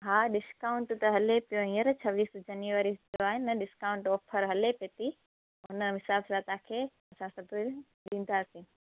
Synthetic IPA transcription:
ɦaːɗɪskaːʊ̃ɳʈt̪ɐɦɐlepijoɦĩːəɾt͡ɕʰɐʋiːsd͡ʑɐnjuʋaɾid͡ʒoaːɦɪnɪɐɗɪskaːʊ̃ɳʈɔːpʰəɾɦɐlepeːt̪i | ɦʊnəmɪsaːbsat̪ãːkʰeː | ɐsãsɐbʱi | ɗĩːnd̪aːsĩː

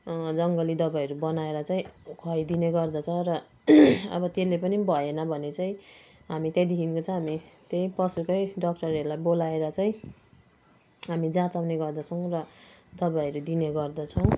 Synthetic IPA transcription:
d͡zʌŋɡʌlid̪ʌbajʌɾubʌnaeɾʌt͡saĩkʰʌjd̪ineɡʌrd̪ʌt͡sʰʌɾʌ | ʌ̰bʌt̪elepʌnibʱʌenʌbʱʌnet͡saĩɦamit̪jed̪ikinkot͡sãɦamit̪jeipʌsukʌjɖʌk̚ʈʌɾʌɾulajbolaeɾʌt͡saĩ | ɦamid͡zãt͡sawneɡʌrd̪ʌt͡sʰʌw̃rʌd̪ʌbaʌɾud̪ineɡʌrd̪ʌt͡sʰʌw̃

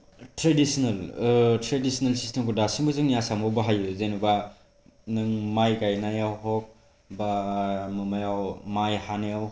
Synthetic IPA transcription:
tɾedisinaltɾedisinalsistemkudasimbɯzɯŋjasamawbaɦajuzenuba | nɯŋmajkajnajawɦɔk̚ | bamɯmajawmajhanajaw

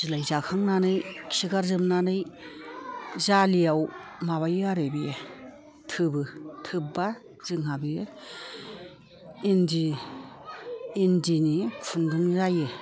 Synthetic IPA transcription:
zɯlajzakʰaŋnanɯjkʰsiɡaɾzɯmnanɯj | zalijawmaβajɯaɾebije | tʰɯbɯtʰɯb̚ba | z̥ɯŋɦabije | indi | ndinipʰundɯŋzajɯ

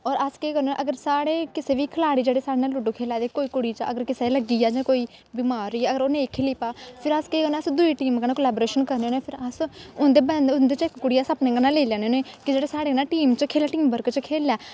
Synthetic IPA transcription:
ɔːɾəskeːkəɾnoʔəɡəɾsaːɽeːkɪseːʋiːkʰəlaːɽiːd͡ʒeːɽeːsaːɽeːnaːlʊɖokʰeːlaːd̪eːkoːiːkʊɽiːt͡ʃə̰ɡəɾkɪseːləɡiːaːd͡ʒãːkoːiː | biːmaːɾːiːəɡəɾoːnẽːɪkʰːliːpaːpʰɪɾəskeːkənːəsd̪ʊiːʈiːmɡənãːkoːlɛːboːɾeːʃənkəɾneːneːpʰɪɾəsʊnd̪eːbənd̪ʊnd̪eːt͡ʃɪkkʊɽiːaːsəpnẽːɡənaːleːlɛ̃ːneːneːkɪd͡ʒeːɽeːsaːɽeːnaːʈiːmt͡ʃkʰeːlaːʈiːmbəɾkt͡ʃkʰeːlaː

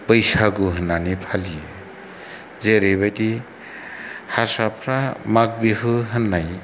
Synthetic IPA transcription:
pəjsaɡuɦɯnːanipʰaliɯ | zeɾejβajdi | hasapʰɾamak̚biɦɯɦɯnːaj

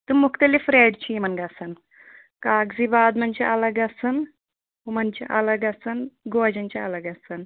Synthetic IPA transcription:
t̪ɨmukt̪ɐlifɾeːɖt͡ʃʰiːmɐnɡɐsɐn | kaːɡzibaːd̪mɐnt͡ʃʰḭʔɐlɐɡɐsɐn | umɐnt͡ʃʰiʔɐlɐɡɐsɐnɡoːd͡ʒɐnt͡ʃɐɐlɐɡɐsɐn

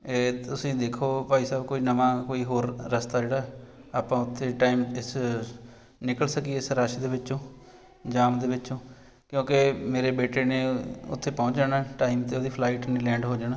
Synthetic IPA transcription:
et̪ʊsĩːd̪eːkʰoːpaːiːsaːbkoːiːnəʋãːkoːiːɦoːɾːəst̪aːd͡ʒeːɽaːɦaːpãːʊt̪ʰːeːʈaːiːmɪs | nɪkəlsəkieɪsɾaːʃed̪eːʋɪt͡ʃːt͡ʃõː | d͡ʒaːmd̪eːʋɪt͡ʃːt͡ʃõː | kjõːkemeːɾeːbeːʈeːneːʊ̰t̪ʰːeːpɔ̃ːt͡ʃd͡ʒaːnaʈaːimt̪eoːd̪iːpʰlaːiːʈnẽːlɛ̃ːɳɖɦoːd͡ʒaːɽnaː

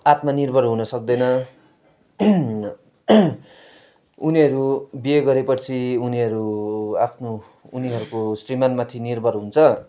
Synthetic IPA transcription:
at̪manirbʱʌɾɦunʌsʌk̚d̪ʌnʌ | uniɦʌɾubieɡʌɾepʌrt͡sʰiuniɦʌɾuapʰnoː | niɦʌɾukosrimanmat̪ʰinirbʱʌɾɦunt͡sʰʌ

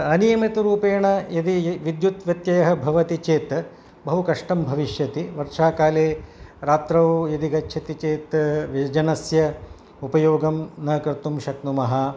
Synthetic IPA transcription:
ɐnijɐmit̪ɐɾuːpeːɳɐjɐd̪iʋid̪jut̪ʋjɐt̪jɐjɐɦɐ̆bʱɐʋɐt̪it͡ʃeːt̪ | bɐɦukɐʂʈɐmbʱɐʋiʃjɐt̪iʋɐɾʂaːkaːleːɾaːt̪ɾɐʋjɐd̪iɡɐt͡ʃːʃʰɐt̪it͡ʃeːt̪ʋid͡ʒɐnɐsjɐ | upɐjoːɡɐmnɐːkɾɐt̪umʃɐknumɐɦɐ̆

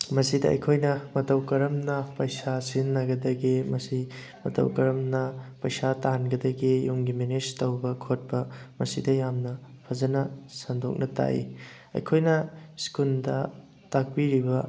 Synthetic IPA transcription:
mɐsidɐɐ̰jkʰojnɐmɐtɐwkɐɾɐmnɐpɐjsasinːɐɡɐdɐɡimɐsi | mɐtɐ̰wkɐɾɐmnɐpɐjsatanɡɐdɐɡijuŋɡimened͡ʒtɐwbɐkʰot̚bɐmɐsidɐjamnɐ | pʰɐzɐnɐsɐndo̰k̚nɐta̰ʔḭ | ɐ̰jkʰojnɐskundɐ | tak̚piɾibɐ

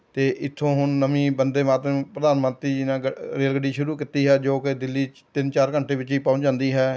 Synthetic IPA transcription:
t̪eːʔɪt̪ʰːõːɦʊnːəmĩːbənd̪eːmaːt̪ɾəpɾəd̪aːnmə̃nt̪ɾiːd͡ʒiːnãːɾeːlɡəɖiːʃʊɾuːkɪt̪iːɦɛːd͡ʒoːkɪd̪ɪlːiː | t̪ɪnt͡ʃaːɾkəɳʈeːʋɪt͡ʃiːpãːnd͡ʒãːnd̪iːɦɛː

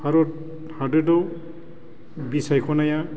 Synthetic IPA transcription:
baɾɔt̚ | hadedɔ | bisajkʰɔnaja

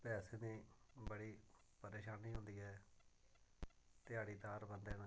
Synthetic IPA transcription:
pɛːsẽːd̪ĩː | bəɽiː | pəɾeːʃaːniːɦʊ̃nd̪iːɦɛː | t̪ɪaːɽiːt̪aːɾbənd̪ɛːnãː

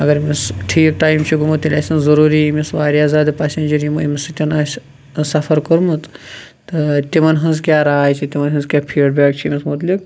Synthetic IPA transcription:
ɐɡɐɾmisʈʰiːk̚ʈaːjmt͡ʃʰiɡumut̪ilʲaːsʲɐnzɐɾuːɾiːmisʋaːɾiaːzaːd̪ɨpaːsʲenʲd͡ʒɐɾjimuimisɨt̪ʲɐnaːs | sɐfʰɐɾkɐɾmut̪ | t̪ɨt̪imɐnɦɐnzkʲjaːɾaːjt͡ʃʰit̪imɐnɦɐnzkʲaːpʰiːɖbeːk̚t͡ʃʰimʲismut̪lik

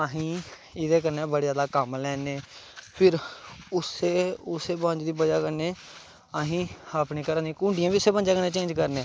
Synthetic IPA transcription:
aːɦĩː | ɪd̪eːkəɾnẽːbəɽeːzjaːd̪aːkəmlɛːneːpʰɪɾʊseːʊseːbãːɲd͡ʒd̪iːbəd͡ʒaːkəɾneː | aɦĩːəpniːkəɾənd̪iːkũːɳɖɪjãːbiːʊseːbãːɲd͡ʒaːkəɾnẽːt͡ʃẽːd͡ʒkəɾneː

